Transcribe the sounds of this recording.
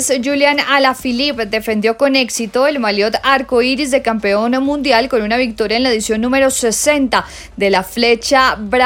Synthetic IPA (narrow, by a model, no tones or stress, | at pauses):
sd͡ʒuljanalafilipd̪e̞fe̞nd̪jo̞ko̞ne̞ksit̪o̞elmaljo̞t̪aɾkoiɾizðe̞kampe̞onmːũnd̪jalko̞nunaβik̚t̪o̞ɾjaenlaeðisjo̞nːũme̞ɾo̞se̞se̞nt̪a | d̪e̞lafle̞t͡ʃabɾ